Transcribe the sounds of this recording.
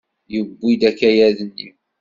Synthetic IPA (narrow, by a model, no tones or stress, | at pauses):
jəbːid̪ækːæjæðənːḭ